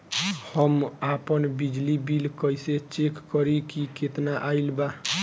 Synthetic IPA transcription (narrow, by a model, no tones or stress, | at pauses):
həmapənbid͡ʒlibilkəjset͡ʃekːɔɾikiket̪naʔailba